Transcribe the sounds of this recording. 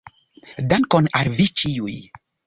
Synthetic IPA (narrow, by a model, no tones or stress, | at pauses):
dankɔnaɾvit͡ʃijuj